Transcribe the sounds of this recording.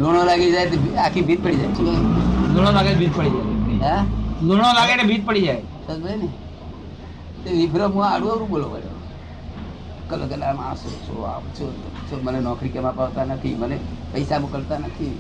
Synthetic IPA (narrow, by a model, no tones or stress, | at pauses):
loɽ̃olaɡid͡ʒajt̪ebiakʰibʱit̪̚pəɽid͡ʒajt͡ʃʰueloɽ̃olaɡenebʱit̪̚pəɽid͡ʒaealoɽ̃olaɡenebʱit̪̚pəɽid͡ʒae | səsbəɽene | t̪eʋibʱɾomũaɽũəɾũboloʋəlo̰ | kəlokəlama̰so̰t͡ʃʰo̰a̰t͡ʃʰot̪t͡ʃʰomənenɔkɾikemãpaʋt̪anət̪ʰḭmənepəɪsabokəɾt̪anət̪ʰi